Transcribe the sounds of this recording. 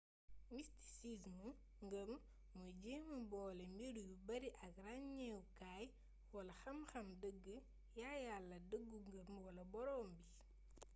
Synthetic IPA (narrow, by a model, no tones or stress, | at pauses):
misti̥sismə | ŋɡəm | məɟeməbɔːlɛmbidujubɐɾiʔɐk̚raɲɲɛwkaːj | wɐlɐxɐmxɐmdəɡːə | jajalːɐdəɡːuŋɡəmwɐlɐbɔɾɔːmbi